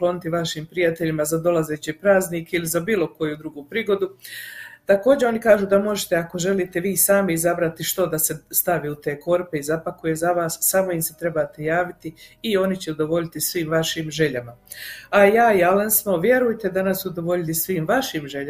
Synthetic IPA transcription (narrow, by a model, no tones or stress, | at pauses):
klˠo̞nit̪iʋaʃiːmpɾijat̪e̞ʎimazad̪o̞lazet͡ɕipɾaːzniːkilizabiːlˠo̞ko̞jud̪ɾuɡupɾiːɡo̞d̪u | t̪ako̞ːd͡ʑe̞o̞nikaːʒuːd̪amo̞ʒet̪e̞ako̞ʒe̞liːt̪e̞ʋiːsaːmiizabɾat̪iʃt̪o̞d̪ase̞st̪aʋiut̪e̞ːko̞ɾpe̞izapakuje̞zaʋaːsːaːmo̞imse̞t̪ɾe̞baːt̪ejaːʋit̪iːo̞nit͡ɕeud̪o̞ʋo̞ʎit̪isʋiːmʋaʃiːmʒe̞ʎamaajaːialensnoʋje̞ɾujt̪e̞d̪anasod̪oʋo̞ʎit̪isʋiːmʋaʃiːmʒeʎa